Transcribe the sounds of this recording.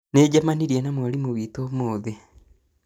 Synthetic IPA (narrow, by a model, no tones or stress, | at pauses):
neɟamaniɾienamwalimuβiːtomoːðe